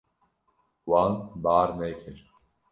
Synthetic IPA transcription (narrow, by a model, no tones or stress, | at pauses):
waːŋbaːɾmeːkʰeɾ